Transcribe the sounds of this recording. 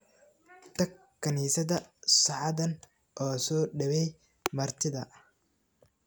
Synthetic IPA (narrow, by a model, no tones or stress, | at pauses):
t̪ʰɐɡ | kʰːɐniːsɐðɐsɐʕɑðɐn | ʔɔːsɔːɖɐβɛj | mɐrt̪ʰɪðɐ